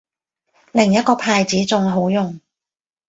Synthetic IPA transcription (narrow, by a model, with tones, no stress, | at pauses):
lɪ˨˩ŋjɐ˥t̚kɔː˧pʰaː˧jt͡siː˨˥t͡sʊ˨ŋɦo˨˥wjʊ˨ŋ